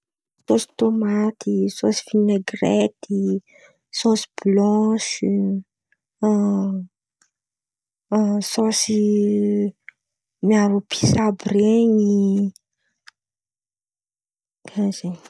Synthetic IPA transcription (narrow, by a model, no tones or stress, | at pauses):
sosi̥t̪omat̪ʰisosi̥fineɡret̪i | sosi̥b̥lɔ̃ʃ | sosi | miaɾupʰi̥sabɾeɲi | aze